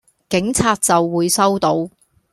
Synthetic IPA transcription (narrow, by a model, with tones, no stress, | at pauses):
kɪ˨˥ŋt͡sʰaː˧t̚t͡sɐ˨wːuː˨˧jsɐ˥wt̪o˨˧w